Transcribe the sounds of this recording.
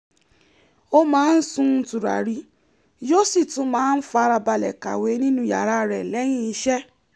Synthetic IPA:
o˦mãː˦n̩˦sũ˦n̩˧˦tu˨ɾa̰˨ɾi˨˦ | d͡ʒo˦˨si˦˨tũ˨˦mãː˦n̩˦fa˧˦˧ɾa˧ba˧lɛ̰˨ka̰˨we˨˦nĩ˦nũ˦ja̰˨ɾa˦ɾɛ˨lɛ˨˦j̃ĩ˦˨i˧˦ʃɛ˦

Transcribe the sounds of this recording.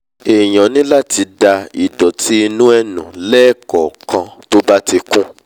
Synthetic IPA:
e˨j̃ã˨nĩ˦la˦ti˧da˧i˨dɔ˨tʰi˦i˧nũ˦ɛ˦nũ˨lɛː˦˨kɔ˨kã˧to˦ba˦ti˧kũ˦

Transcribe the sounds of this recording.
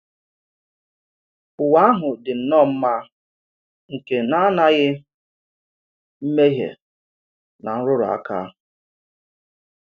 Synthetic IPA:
ʊ˨wa˦ɦʊ˨dɪ˨n̩˨nɔ˦˨m̩˦ma˦ | ŋ̩˨ke˨na˦na˦ɣɪ˦ | m̩˦me˦ɦḛ˨ | na˨n̩˦ɾʊ˦ɾʊ̰˨a̰˦ka̰˦

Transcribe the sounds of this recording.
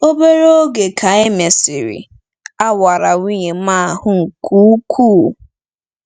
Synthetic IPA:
o˦be˦ɾo˦ɡe˨kʰa˨e˦me˨si˨ɾḭ˨ | a˦wa˨ɾa˨wʷi˦ɲe˨m̩a˦˨hʊ˦ŋ̩˨kʰu˦kʰuː˦˨

